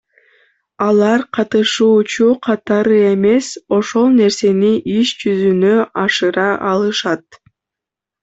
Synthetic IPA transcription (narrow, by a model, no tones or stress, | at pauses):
ɑlˠɑɾqʰɑt̪ɯʃuːt͡ʃuqʰɑt̪ɑɾɯe̞me̞so̞ʃo̞lˠne̞ɾse̞niʔiʃd͡ʒyzynøʔɑʃɯɾɑʔɑlˠɯʃɑt̪̚